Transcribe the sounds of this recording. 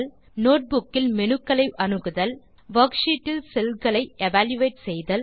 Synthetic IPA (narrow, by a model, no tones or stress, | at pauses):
l | noːʈ̚bʊkːɪlmɛnɯkːɐɭɐɪʔɐnɯɣɯðɐl | ʋɐkʂiʈːɪlsɛlkɐɭɐɪɛʋaːljɯʋeːʈsɛjðɐl